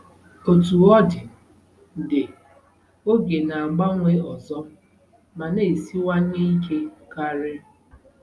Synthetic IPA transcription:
o˨tu˨ɔ˦dɪ˨ | dɪ˨ | o˦ɡe˨na˨a˨ɡ͡ba˦ŋʷe˦ɔ˨zɔ˦ | ma˨ne˨si˦wa˦n˦e˦i˦ke˦ka˦ɾɪ˦

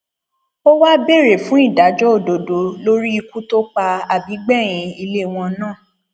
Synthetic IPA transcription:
o˦wa˦be˦˨ɾe˨fũ˨˦i˦˨da˨˦d͡ʒɔ˦o˦˨do˨do˨lo˦ɾi˦i˧ku˦to˦k͡pa˧a˨bi˨˦ɡ͡bɛ˦˨j̃ĩ˨˧i˧le˦˨w̃ɔ̃˧nãː˦˨

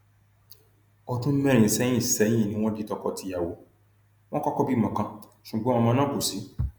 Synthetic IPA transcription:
ɔ˧tũ˦mɛ̃˦ɾ̃ĩ˨˦sɛ˦jĩ˦˨sɛ˦j̃ĩ˦˨nĩ˦w̃ɔ̃˦di˦tɔ˧kɔ˧ti˧ja˨wo˨˦ | w̃ɔ̃˦kɔ˦kɔ˦bi˦˨mã˨kã˧˦ | ʃu˨ɡ͡bɔ̃˨˦ɔ̃˧mã˧nã˦ko˨si˨˦

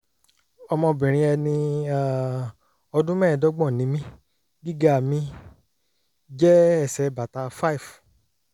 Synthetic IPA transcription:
ɔ˧mɔ̃˧bĩ˨ɾ̃ĩ˧ɛ˧nĩ˧a˦ | ɔ˧dũ˦mɛ̃ː˦˨dɔ˦ɡ͡bɔ̃˦˨nĩ˨˦mĩ˦ | ɡi˦ɡa˦˨mĩ˧ | d͡ʒɛ˦ɛ˦˨sɛ˧˨ba˨ta˧fa˦i˨f

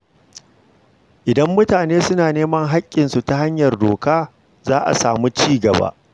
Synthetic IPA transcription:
ʔɪ˨dɐ˦mːʊ˦taː˨neː˦sʊ˦naː˨neː˦mɐ˦ŋɦa˦kʲʼːɪ˨nsu˨ta˦ha˦ɲjɐ˨rdoː˨kaː˦ | zaː˦ʔa̰˨saː˨mu˦t͡ʃiː˦ɡɐ˨ba̰ː˦ʔ

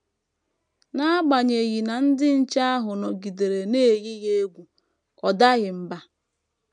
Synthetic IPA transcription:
na˦ɡ͡ba˨ɲe˨ɣi˨na˨n̩˦dɪ˦n̩˦t͡ʃa˦a˦ɦʊ˨nɔ˨ɡi˨de˨ɾe˨ne˦˨ɣi˦ɣe˦e˦ɡʷu˨ | kɔ˨da˦ɣɪ˨m̩˨ba˦

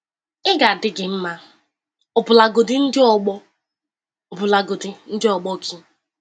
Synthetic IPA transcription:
ɪ˦ɡa˨dɪ˦ɡɪ˨m̩˦ma˦ | ɔ˨bʊ˨la˨ɡo˨dɪ˦n̩˦dɪ˦ɔ˨ɡ͡bɔ˦ | o˨bʊ˨la˨ɡo˨dɪ˨n̩˦dɪ˦ɔ˨ɡ͡bɔ˦˨kʰi˦

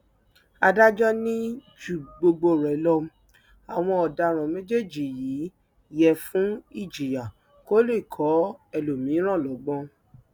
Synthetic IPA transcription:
a˧da˦d͡ʒɔ˦nĩ˦ | d͡ʒu˨ɡ͡bo˧ɡ͡bo˧˨ɾɛ˨lɔ˧m˦ | a˨w̃ɔ̃˧ɔ˨da˧ɾ̃ɔ̃˨mẽ˦d͡ʒe˦˨d͡ʒi˨jiː˨˦ | jɛ˨fũ˦i˦˨d͡ʒi˨ja˨ | ko˦le˦˨kʰɔ˨˦ɛ˨lo˨mĩ˨˦ɾ̃ã˦˨lɔ˨˦ɡ͡bɔ̃˧˦

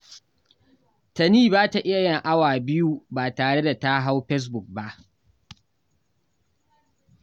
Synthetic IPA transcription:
tɐ˨niː˦baː˦ta˨ʔɪ˦ja˨jɐ˦˨ŋʔa˦waː˨bɪ˦ju˦baː˨taː˨ɽe˦da˨ta˦ɦa˦wɸɛ˦s̬bʊ˨k̚ba˦ʔ

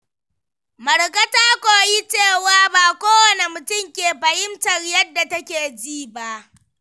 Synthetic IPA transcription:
mɐ˨ɽkɐ˦taː˦kʷoː˨ji˦t͡ʃeː˦˨waː˦baː˨kʷoː˦wɐ˦ne˨mʊ˨tʊ˦˨mkʲeː˨ɸɐ˨hɪ˦mtɐ˨rjɐ˦dːa˨tɐ˦kʲeː˨d͡ʒiː˦ba˦ʔ

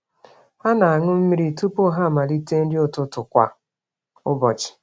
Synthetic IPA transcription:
ha˦na˨a˨ŋʊ˦m̩˦mi˦ɾi˨tu˦po˦ɦa˦˨ma˨li˦te˦n̩˦dɪ˦ʊ˦tʊ˦tʊ˨kʷa̰˨ | ʊ˦bɔ˨t͡ʃɪ̥˨

